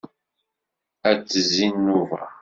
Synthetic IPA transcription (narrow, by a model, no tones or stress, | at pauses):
æt͡sːəzinːuvæ̰